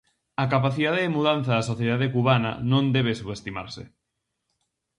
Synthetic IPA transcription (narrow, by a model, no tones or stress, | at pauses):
ɐkapaθiðaðeðemuðanθɐðɐsoθjeðaðekuβanɐ̰nõnd̪ɛβ̞esuβest̪ima̰ɾsɪ̰